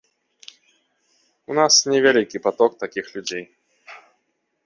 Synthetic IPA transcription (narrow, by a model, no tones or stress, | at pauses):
unasnʲɛvʲalʲikʲipat̪ɔkt̪akʲixlʲud͡zʲej